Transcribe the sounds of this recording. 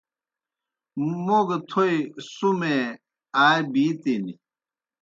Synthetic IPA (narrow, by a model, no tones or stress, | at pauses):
moɡt̪ʰojsume | aːjbit̪ini